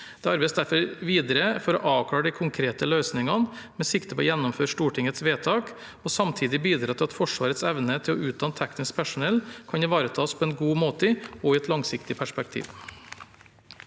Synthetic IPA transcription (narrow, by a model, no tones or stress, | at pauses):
d̪̥ɛːɑɾbeɪsd̪æɾfɔɾʋiːd̪əɾəfɔɾɔ̰ʔɑːʋkʰlɑːɾəɖ̪ɛɪkʰʊŋkʰɾeːt̪əløːsnɪŋɑn | mɛːsɪkt̪əpʰɔːjɛnːɔmføːɾʂt̪uːʈʰɪŋət̪sʋeːt̪ʰɑːk | ɔsɑmt̪ʰiːd̪ɪbiːd̪ɾɑːt̪ʰɪlɑt̪fɔʂʋɑːɾət̪sɛʋnət̪ʰɪlɔʉːd̪ɑnt̪ʰːɛknɪsk̚pʰæʂʊnɛlːkʰɑnɪʋɑːɾət̪ʰɑːspʰɔːɛnɡuːmoːt̪əɪɔɪɛt̪lɑŋsɪkt̪ɪpʰæʂpɛk̚t̪ʰḭːʋ